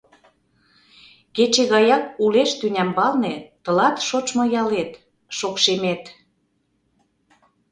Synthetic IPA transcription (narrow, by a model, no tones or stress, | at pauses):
ket͡ɕeɣɑjɑk̚uleʃt̪ynʲæmbɑlnet̪ɤ̆lɑt̪ʃot͡ʃmɤ̆jɑlet̪ | ʃokʃemet̪